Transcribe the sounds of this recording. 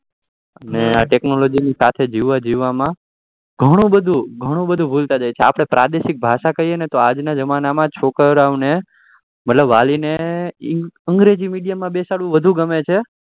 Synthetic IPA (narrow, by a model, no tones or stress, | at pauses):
əneaʈeknolod͡ʒinisat̪ʰed͡ʒiʋːad͡ʒiʋːamã | ɡʱəɽ̃ũbəd̪ʱũɡʱəɽ̃ũbəd̪ʱũbʱult̪ad͡ʒajt͡ʃʰea̰pɽ̃epɾʔad̪eʃɪk̚bʱaʃakəɦienet̪oad͡ʒnad͡ʒəmanamãt͡ʃʰokəɾaʋne | mət̪ləbʋaline | əŋɡɾed͡ʒimiɽijamãbesaɽʋũʋəd̪ʱũɡəmet͡ʃʰe